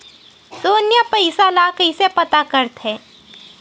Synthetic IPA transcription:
soːnjəpɐɪsalaːkəɪsepɐt̪akɐɾt̪ɦɛ̃ː

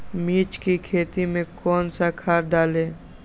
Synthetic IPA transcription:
miːt͡ʃkikʰeːt̪imẽkɔːnsakʰaːɾd̪aːleː

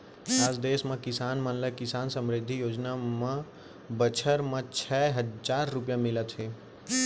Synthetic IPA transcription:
aːd͡ʒd̪eːsmẽkɪsaːnmə̃nləkɪsaːnsəmɾɪd̪ʱːijoːd͡ʒnamə̃ | bət͡ʃʰəɾmə̃t͡ʃʰɛːɦəd͡ʒaːɾːʊp̬jamɪlət̪ɦeː

